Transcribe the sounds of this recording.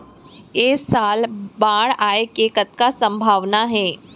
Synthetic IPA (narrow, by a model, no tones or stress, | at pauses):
eːsaːlbaːɽaːekeːkət̪̚kasə̃mbʱaːʋnaɦɛː